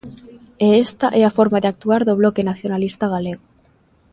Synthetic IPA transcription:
eest̪aʔɛafoɾmaðeak̚t̪uaɾðoβlokenaθjonalist̪aɣaleɣo

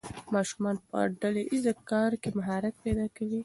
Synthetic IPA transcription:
mɑʃumɑnpə̰ɖaleʔizakɑɾkemʊɦɑɾak̪̚pajd̪ɑkawi

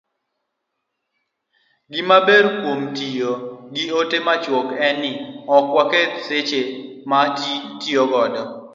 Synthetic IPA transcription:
ɡɪmabeɾkwomtijoɡiotemat͡ʃwokɛnɪɔkwaketset͡ʃematitioɡɔdɔ

